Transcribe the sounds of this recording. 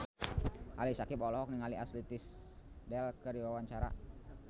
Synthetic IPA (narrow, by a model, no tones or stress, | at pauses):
ʔalisakipɔlɔɦɔk̚niŋaliaslit̪ɪsdɛlkəɾiwawaɲt͡ʃaɾa̰